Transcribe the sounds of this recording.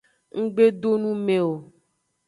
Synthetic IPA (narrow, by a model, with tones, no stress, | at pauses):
ŋ̩˦ɡ͡be˦ɖo˦nũ˦mẽ˨o˨